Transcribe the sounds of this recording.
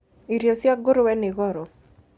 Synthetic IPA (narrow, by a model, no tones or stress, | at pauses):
iɾjosjaɡoɾowɛnɪɣɔɾɔ